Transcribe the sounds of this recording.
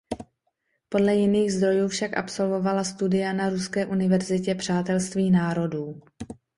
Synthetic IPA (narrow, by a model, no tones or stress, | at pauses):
po̞dlɛjɪniːɣzd̪ɾo̞juːfʃakʔa̰pso̞lvo̞valast̪udɪjanaɾuskɛːʔunɪvɛɾzɪcɛpr̝̥aːt̪ɛlst̪viːnaːɾo̞duː